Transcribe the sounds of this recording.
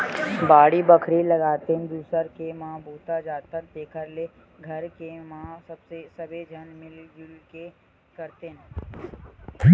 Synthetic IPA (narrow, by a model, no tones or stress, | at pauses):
baːɽibəkʰɾiləɡaːt̪eɦnd̪uːsəɾkemãːbʱuːt̪ad͡ʒaːt̪ət̪eːkʰəɾle | ɡʱɐɾkemãːsɐbsesɐbʱed͡ʒʱɐnmɪlɡɪlke | kəɾt̪eɦn